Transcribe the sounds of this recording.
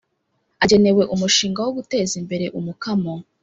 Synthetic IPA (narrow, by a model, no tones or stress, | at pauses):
aɟe̞ne̞we̞ʔumuʃiːŋɡawoɡute̞ːzimbe̞ɾe̞ʔumukamo